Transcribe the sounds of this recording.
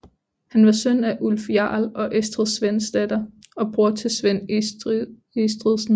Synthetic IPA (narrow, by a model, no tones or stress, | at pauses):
hænʋɑ̈sœnæʔulfjɑ̰̈ːlɒ̽ʔesd̥ʁəðˠsʋen̰sd̥æd̥ɐɒ̽b̥ʁu̝ɐt͡sʰe̝sʋen̰ | esd̥ʁiðˠsn̩